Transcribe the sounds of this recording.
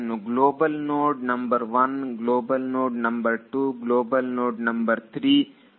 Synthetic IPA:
nuɡloːbɐlnoːʈ̚nɐmbɐɾʋɐnɡloːbɐlnoːʈ̚nɐ̃mbɐɾʈuːɡloːbɐlnoːʈnɐmbɐɾt̪ʰɾiː

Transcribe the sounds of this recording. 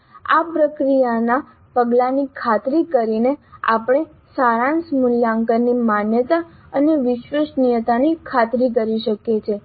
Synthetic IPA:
a̰pɾəkɾijana | pəɡlanikʰat̪ɾikəɾinea̰pɽ̃e | saɾãnsmuljaŋkəɾnimanjət̪aəneʋɪʃʋeʃnijət̪anikʰat̪ɾik̬əɾiʃəket͡ʃʰe

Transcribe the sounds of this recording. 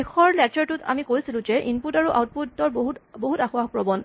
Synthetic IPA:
exʰɔɹlɛkt͡ʃɛɹtutʰa̰mikojsilʊ̃d͡ʒɛʔinputaɹuʔa̰wt̚putːɔɹɦutboɦutaxʊapɹɔbɔn

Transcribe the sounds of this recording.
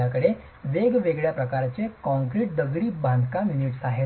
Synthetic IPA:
akəɽe | ʋeɡʋeɡɭjapɾəkaɾat͡ɕekɔ̃ŋkɾiʈ̚d̪əɡɭiːbʱãnd̪kaminiʈsaɦe

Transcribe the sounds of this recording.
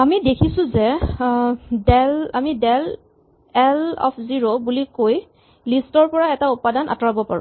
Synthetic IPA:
amidekʰisʊ̃zɛ | dɛlamidɛl | ɛlɔ̰pʰziɹobulikoj | listɔɹpɔɹaɛtaupadanʔa̰tɔɹabɔpa̰ɹṵ̃

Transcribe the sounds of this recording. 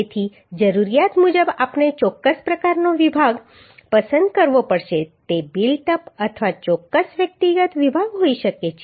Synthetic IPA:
et̪ʰi | d͡ʒəɾuɾijat̪mud͡ʒəbapɳet͡ʃɔkːəspɾəkaɾnoʋibʱaɡ | pəsənd̪̚kəɾʋopəɽʃet̪ebilʈəpət̪ʰʋat͡ʃɔkːəsʋjək̚t̪iɡət̪ʋibʱaɡɦoiʃəket͡ʃʰe

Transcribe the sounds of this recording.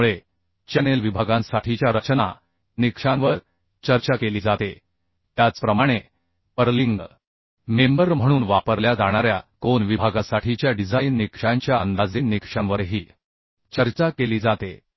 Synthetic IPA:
uɭe | t͡ɕɛnelʋibʱaɡãsaʈʰit͡ɕjaɾət͡ɕna̰ | nikʂãʋəɾ | t͡ɕəɾt͡ɕakeliːd͡zat̪e | t̪jat͡spɾəmaɽ̃e | pəɾliŋɡ | membəɾm̤əɽ̃uːnʋapəɾljad͡zaɽ̃aɾjakonʋibʱaɡasaʈʰit͡ɕjaɖid͡zajnːikʂaɲt͡ɕjaənd̪ad͡zinːikʂãnʋəɾɦiː | t͡ɕəɾt͡ɕakeliːd͡zat̪ḛ

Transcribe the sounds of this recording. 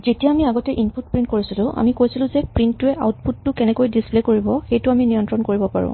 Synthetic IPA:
zetijaamiaɡɔtɛʔinput̚pɹĩnt̚koɹisilʊ̃ʔa̰mikojsilʊ̃zɛpɹintːuɛʔa̰wt̚pʰutːʊkɛnɛkojdisplekoɹibɔxejtʊaminijɔntɹɔnkoɹibɔpa̰ɹʊ̰̃

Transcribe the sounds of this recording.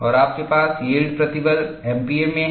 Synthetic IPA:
ɔːɾaːp̚kepaːseːɖpɾɐt̪ibəl | ɛːmpiːemẽ

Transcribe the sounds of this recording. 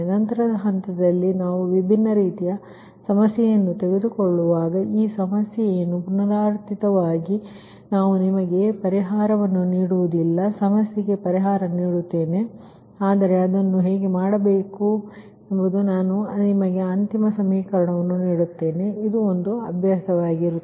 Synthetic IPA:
nɐnt̪ɐɾɐd̪ɐɦɐnt̪ɐd̪ɐlːinaːʋuʋibʱinːɐɾiːt̪ijɐ | sɐmɐsjɛjɐnːut̪e̞ɡe̞d̪ukoɭːuʋaːɡɐiːsɐmɐsjɛjenupunɐɾaːɾt̪it̪ɐʋaːɡi | naːʋunimɐɡe̞pɐɾiɦaːɾɐʋɐnːuniːɽuʋud̪ilːɐsɐmɐsjɐɡe̞pɐɾiɦaːɾɐniːɽut̪ːe̞ːne̞ | aːd̪ɐɾe̞ɐd̪ɐnːuɦe̞ːɡe̞maːɽɐbeːku | embud̪unaːnunimɐɡe̞ɐnt̪imɐsɐmiːkɐɾɐɳɐʋɐnːuniːɽut̪ːe̞ːne̞id̪uond̪uɐbʱjaːsɐʋaːɡiɾu

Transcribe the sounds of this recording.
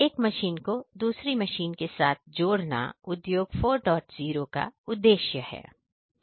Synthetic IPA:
eːkmɐʃiːnkod̪uːsɾimɐʃiːnkesaːt̪̚ʰd͡ʒoːɽna̰ʊd̪joːɡfoːɾɖɔːʈziːɾoka̰ʊd̪ːeːʃjəhɛ̰ː

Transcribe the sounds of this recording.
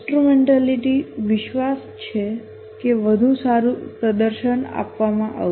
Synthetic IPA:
sʈɾumeɳʈaliʈiʋɪʃʋas | t͡ʃʰe | keʋəd̪ʱũsaɾupɾəd̪əɾʃəna̰pʋamãʔa̰ʋ

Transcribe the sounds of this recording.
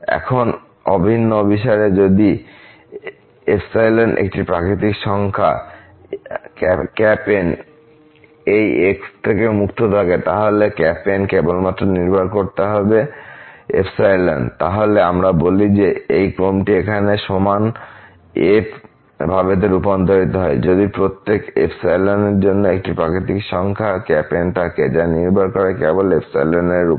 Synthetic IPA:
ɛ̰kʰon | ɔ̰bʱinːoobʱiʃaɾed͡ʑod̪i | epsajlenɖʔḛk̚ʈipɾakɾit̪ikʃɔŋkʰa̰ | kkɛpen | ejekst̪ʰekemukt̪ʰot̪ʰaket̪aɦolekɛpenkebolmat̪ːɾoniɾbʱaɾkoɾt̪eɦɔbe | ḛfsajlant̪aɦoleamɾabolid͡ʑeejkɾomʈiekʰaneʃoman | ep | bʱabed̪eɾupont̪oɾit̪oɦɔed͡ʑod̪ipɾot̪ːekḛfsajlaneɾd͡ʑonːoek̚ʈipɾakit̪ikʃɔŋkʰakɛpenʈaked͡ʑaniɾbʱaɾkoɾekebolefsajlaneɾu

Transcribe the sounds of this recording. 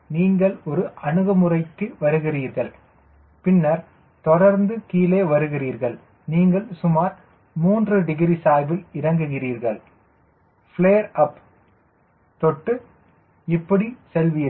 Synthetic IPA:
niːŋɡɐɭɔɾɯʔɐɳɯɣɐmɯrɐɪkːɯʋɐɾɯɣɪriːɾɣɐɭ | pɪnːɐɾ | t̪ɔɽɐɾnd̪ɯkiːleːʋɐɾɯɣɪriːɾɣɐɭ | niːŋɡɐɭsʊmaːɾ | muːndrɯɖɪɣɪɾisaːjbɪlɪɾɐŋɡɯɣɪriːɾɣɐɭ | fɪɭeːɐɾɐp | t̪ɔʈːɯ | ɪpːɐɽisɛlʋiːɾ

